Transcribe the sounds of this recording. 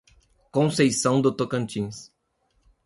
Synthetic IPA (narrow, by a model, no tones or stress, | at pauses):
kõsejsɐ̃w̃d̪ʊt̪okɐ̃nt͡ʃĩs